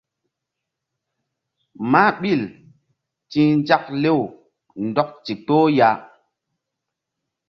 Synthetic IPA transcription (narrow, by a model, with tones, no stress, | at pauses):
ma˦ɓi˦˨l | tĩ˦nd͡ʒa˦kle˦˨w | ndɔ˦k̚t͡ʃi˨to˦ja˦